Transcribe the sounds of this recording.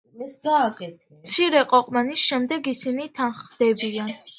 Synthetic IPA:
kʼɛ | t̪sʰiɾɛqʼɔqʼmanisʃɛmd̪ɛɡisinit̪ʰanχd̪ɛbian

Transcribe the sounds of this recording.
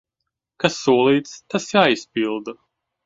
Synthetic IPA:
kasːuɔlˠiːt̪st̪asjaːispilˠd̪ɐ

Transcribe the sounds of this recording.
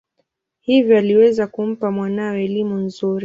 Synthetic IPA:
hivjɔaliwɛzakum̩pamwanaɛɛlimunzuɾi

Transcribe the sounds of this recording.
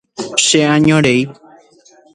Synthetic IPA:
ʃeãɲõɾej

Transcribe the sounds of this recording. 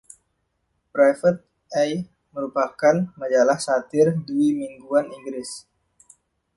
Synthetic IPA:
pɾajfət̪̚ | aj | məɾupakanmad͡ʒalahsat̪ɪrduimiŋɡuaniŋɡɾɪs

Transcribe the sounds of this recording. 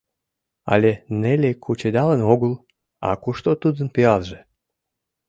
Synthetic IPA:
ɑ̰lʲenelʲekʰut͡ɕed̪ɑlənoɣəl | ɑ̰kuʃt̪ot̪ud̪ənpiɑlʒe

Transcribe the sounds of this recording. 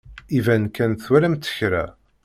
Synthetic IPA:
ivænkænθwæɾæmt̪ːə̥çɾæ̰

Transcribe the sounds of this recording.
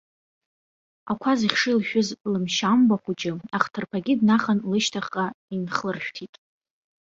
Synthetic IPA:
akʷʰaziχʲʂɨlʃʷᶣʊzʼlɨmʃambaχʷʊd͡ʒɪaχtʰɨrpʰaɡʲɪdnaχanlɨʃtʰaχʼainχlɨrʃᶣtʰitʼ

